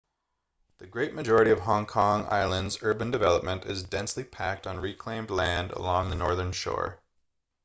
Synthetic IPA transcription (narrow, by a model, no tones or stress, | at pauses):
ðɨɡɹeɪt̚mɨd͡ʒɔɹɨɾiʌv̥ɦɑ̃ŋkʰɑ̃ŋa̰ɪlˠə̃ndzɜ˞bɨ̃ndɨvɛlˠəp̚mɨ̃ntɨzdɛ̃nslipʰæk̚tn̩ɹikʰl̥ẽɪ̃mdˡlæ̃ndə̰lɔ̃ŋðənɔɹðə̃˞nʃɔ̰ɹ